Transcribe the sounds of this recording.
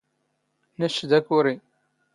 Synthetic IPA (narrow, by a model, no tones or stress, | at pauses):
næʃd̪ækuɾi